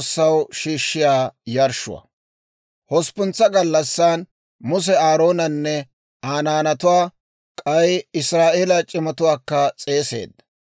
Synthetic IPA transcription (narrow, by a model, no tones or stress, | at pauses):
sːɐwʃiːʃːɪjaːjɐɾʃʊ̰wɐ̰ | hɔspʊnt͡sːɐɡɐlːɐsːaːn | mʊs̬ɛaːɾo̞ːnɐnːɛ | aːnaːnɐt̪ʊwaː | kʼɐjɪsɾaːʔeːlɐt͡ʃʼɪmɐt̪ʊwaːkːɐt͡sʼe̞ːse̞̰ːd̪ːɐ